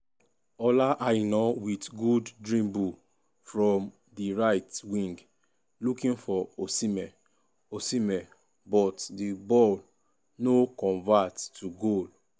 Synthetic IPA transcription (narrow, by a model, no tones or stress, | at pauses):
ɔlaʔanɔwitɡuddɹĩmbu | fɹɔ̃m | diɹaɪtwĩŋɡ | lukĩnfɔosimɛ | osimɛ | bɔtdibɔl | nokɔ̃ɱvatːuɡol